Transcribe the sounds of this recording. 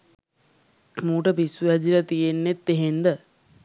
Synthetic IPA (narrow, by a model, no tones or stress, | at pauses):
muːʈəpisuæd͡ʒilət̪ijenːet̪ːeɦend̪ə